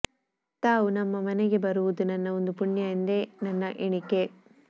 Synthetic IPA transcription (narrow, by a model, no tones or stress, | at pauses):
t̪aːʋunɐmːɐmɐneɡe̞bɐɾuʋud̪unɐnːɐond̪upuɳjɐind̪e̞nɐnːɐʔiɳike̞